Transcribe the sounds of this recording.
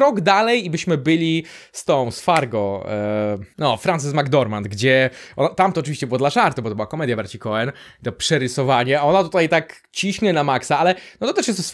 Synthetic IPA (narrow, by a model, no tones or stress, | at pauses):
ɾɔɡd̪alɛjibɘɕmɘbɘlʲi | st̪ɔ̃w̃sfaɾɡɔ̃w | nɔfɾant̪ɛsmaɡd̪ɔɾmand̪ɡd͡ʑɛʔɔnat̪amt̪ɔɔt͡ʂɨvʲiɕt͡ɕɛbɘwɔd̪laʐaɾt̪ubɔt̪ɔbɨwakɔmɛd̪ʲjabaɾt͡ɕikɔɛnt̪ɔpʂɛɾɘsɔvaɲɛaɔnat̪ut̪ajt̪ak | t͡ɕiɕɲɛnamaksaalɛnɔt̪ɔt̪ɛʂjɛst̪